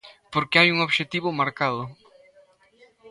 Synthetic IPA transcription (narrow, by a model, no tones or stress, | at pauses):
poɾkɪajuŋoβʃet̪iβʊmaɾkaðʊ